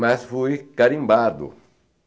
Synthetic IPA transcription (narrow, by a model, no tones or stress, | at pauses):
masfuikaɾĩmbaɾd̪ṵ